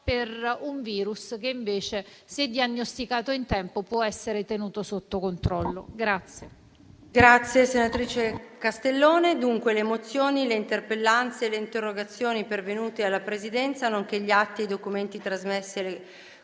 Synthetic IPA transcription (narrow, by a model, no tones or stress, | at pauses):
peruɱviːɾuskeiɱveːt͡ʃe | sed̪ːianːost̪ikaːt̪oint̪ɛmpopwɔɛsːeɾet̪enuːt̪osot̪ːokont̪ɾɔlːo̰ɡɾat̪sːje | ɡɾat̪sːjesenat̪ɾiːt͡ʃekast̪elːoːned̪uŋkweleːmot̪sːjoːnileint̪erpelːant̪seleint̪erːoɡat̪sːjoːnipervenuːt̪ealːapɾezid̪ɛnt̪sanoŋk̟eʎːiat̪ːiejd̪okument̪it̪ɾazmesːile